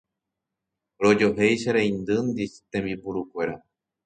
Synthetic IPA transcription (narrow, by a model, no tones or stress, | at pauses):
ɾo̞d͡ʒo̞ɦejʃaɾejnd̪ɨnd̪iʃt̪ẽ̞mbipuɾukʷe̞ɾa